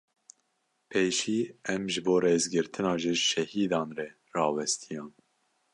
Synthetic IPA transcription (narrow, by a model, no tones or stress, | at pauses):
pʰeːʃiːɛmʒɨboːɾeːzɡɨɾt̪ʰɨnɑːʒiʃɛhiːd̪ɑːnrɛ | rɑːwɛst̪ʰijɑːn